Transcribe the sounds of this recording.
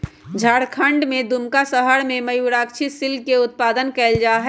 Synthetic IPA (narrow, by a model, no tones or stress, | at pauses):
d͡ʒʱaːɽkʰəɳɖmed̪umkasəɦəɽmeməjuɾakt͡ʃʰisilkeʊt̪̚pad̪ənkɛld͡ʒaɦɛ